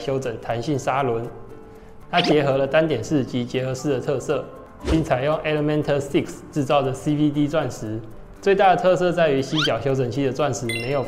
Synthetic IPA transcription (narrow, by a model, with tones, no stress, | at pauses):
ɕjo˧˥ʊʈ͡ʂə˨˩ŋt̪ʰa˧˦˥nɕi˥˩ŋsa˥lwə˨˦n | t̪ʰa˥t͡ɕjɛ˧˥xɤ˧˦lə˨t̪a˦˥nt̪jɛ˨˩nʂɻ̩˥˨t͡ɕi˨˦t͡ɕjɛ˧˥xɤ˧˥ʂɻ̩˥˩d̪ə˩t̪ʰɤ˥˧sɤ˥˨ | pi˥˩ŋt͡sʰa˨˩ɪjo˥˩ŋʔe˦˥lə˧mɛ˥nt̪ʰə˥˧si˥˨ksʈ͡ʂɻ̩˥˧t͡sɑ˥˩ʊdə˩si˦pi˥t̪i˥t͡swa˥˨nʂɻ̩˨˦ | t͡swe˥˧ɪt̪a˥˩d̪ə˩t̪ʰɤ˥˧sɤ˥˧t͡sa˥˩ɪy˧˥ɕi˦˥t͡ɕjɑ˨˩ʊɕjo˧˥ʊt͡sə˨˩ŋt͡ɕʰi˥˩d̪ə˨t͡swa˥˩nʂɻ̩˧˥me˧˥ɪjo˨˩